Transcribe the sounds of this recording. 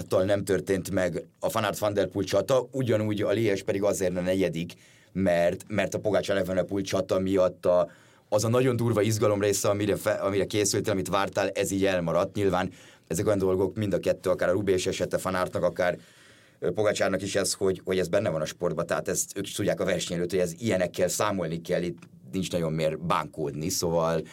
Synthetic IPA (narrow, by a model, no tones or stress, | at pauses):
t̪ɒlnɛmt̪ørt̪eːnt̪mɛɡɒfɒnaːrt̪fɒnd̪ɛrpult͡ʃɒt̪ɒuɟɒnuːɟɒliːɛʃpɛd̪iɡɒzeːrnɒnɛɟɛd̪ik | mɛrt̪mɛrt̪ɒpo̞ɡat͡ʃaːlɛvɛnɛpult͡ʃɒt̪ɒmijɒt̪ːɒ | ɒzɒnɒɟo̞nd̪uːrvɒiʒɡɒlo̞mreːsɛɒmiɾɛfɛɒmiɾɛkeːsylt̪eːlɒmit̪ʋaːrt̪aːlɛziːɟɛlmɒɾɒt̪ːɲilvaːn | ɛzɛkojɒnd̪o̞lɡo̞kmind̪ɒkɛt̪ːøːɒkaːɾɒɾubeʃɛʃɛt̪ɛfɒnart̪nɒkɒkaːr | poɡat͡ʃaːrnɒkiʃɛsho̞ɟho̞ɟɛzbɛnːɛvɒnɒʃpo̞rd̪bɒt̪ɛɦat̪ɛst̪øːki̥ʃt̪ud̪jaːkɒvɛrʃɛɲɛløːt̪hoɟɛzijɛnɛkːɛlsaːmo̞lnikɛlːit̪ | nint͡ʃnɒɟo̞mːeːrba̰ːŋkoːd̪niso̞vɒl